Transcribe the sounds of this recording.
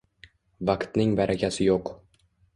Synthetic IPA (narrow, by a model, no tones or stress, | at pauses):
vaqt̪nɪŋvaɾʔakʲʰasɪjoq